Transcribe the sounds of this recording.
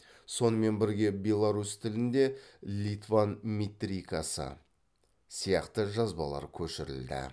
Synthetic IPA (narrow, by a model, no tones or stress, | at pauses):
so̞nəme̞nbɪɾɡʲe̞bʲe̞lˠaɾust̪ʰɪlɪnd̪e̞lʲit̪vanmʲit̪ɾʲikasə̰ | sijɑqt̪əʒɑzbɑlˠɑ̰ɾkʲʰɵʃɪɾɪ̰ld̪ɪ̰